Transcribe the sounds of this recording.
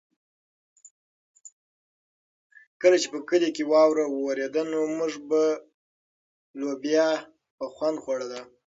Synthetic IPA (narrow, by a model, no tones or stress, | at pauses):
kəlat͡ʃepəkəlekewɑwɾawwaɾed̪anomʊʐba | lobjɑ | pəxwand̪xwaɽad̪a